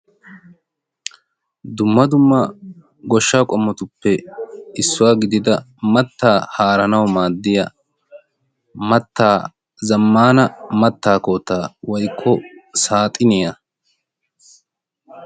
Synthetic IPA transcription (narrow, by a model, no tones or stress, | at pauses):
d̪ʊmːɐd̪ʊmːɐ | ɡɔʃːaːkʼɔmːɔt̪ʊpːɛɪsːʊwaːɡɪd̪ɪd̪ɐ | mɐt̪ːaːhaːɾɐnɐwmaːd̪ːɪjɐ | mɐt̪ːaː | zɐmːaːnɐmɐt̪ːaːkoːt̪ːaːwɔjkʰːɔsaːt̪ʼɪnɪjɐ